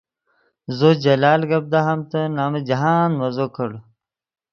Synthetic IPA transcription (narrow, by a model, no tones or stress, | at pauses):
zod͡ʑɐlaːlɡɐb̚d̪aɦɐmt̪ɐnaːmed͡ʑɐɦaːnmɐzoːkʰɐɽ